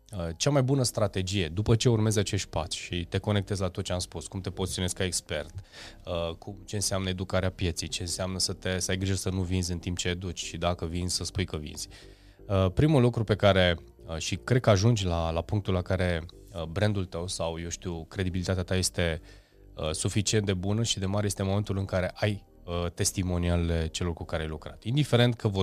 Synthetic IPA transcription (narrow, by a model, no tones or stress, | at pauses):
ət͡ʃamajbunəst̪ɾat̪e̞d͡ʒije̞d̪upət͡ʃe̞urme̞zat͡ʃe̞ʃt̪̚ʲpat̪sʲʃit̪e̞ko̞nekt̪e̞zlat̪ot̪̚t͡ʃeamspuskumt̪e̞pozt̪ionesʲkaekspe̞rt̪əkʰumt͡ʃe̞ɨnseamnəe̞d̪ukaɾeapje̞t̪sejt͡ʃe̞ɨnseamnəsət̪esəajɡɾiʒəsənuvinzʲɨnt̪imp̚t͡ʃe̞ːd̪ut͡ʃʲʃid̪akəvinzʲsəspujkəvḭnz̥ʲ | əpɾimulukɾupe̞kaɾe̞ | əʃikɾe̞d̪̚kəaʒund͡ʒʲlalapuŋkt̪ulakaɾe̞ | əbɾend̪ult̪əwsawje̞wʃt̪iwkɾe̞d̪ibilit̪at̪eat̪aje̞st̪e̞ | əsufit͡ʃiet̪d̪e̞bunəʃid̪e̞maɾejest̪emome̞nt̪ulɨŋkaɾe̞ʔaj | ət̪e̞st̪imo̞nialle̞t͡ʃe̞lo̞rkukaɾeajlukɾa̰t̪ind̪ife̞ɾe̞nt̪̚kəvo